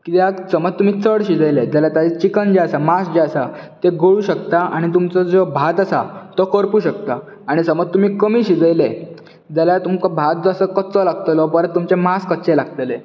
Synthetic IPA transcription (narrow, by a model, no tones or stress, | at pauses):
kit̪eaksəməd͡zt̪um̤iːt͡səɽɕid͡zəjled͡zaljat̪aet͡ɕikənd͡ʑeasamasd͡ʑeasat̪eɡəɭuːɕəkt̪aaɽ̃it̪̬umt͡sɔd͡zɔbʱat̪asa̰t̪ɔkəɾpuːɕək̚t̪aː | ɽ̃isəməd͡zt̪um̤iːkəmiːɕid͡zəjle | d͡zaljat̪umkabʱat̪̚d͡zːsəkətt͡sɔlaɡt̪əlɔpəɾə̃t̪ːumt͡ɕemaskət̪t͡selaɡt̪əle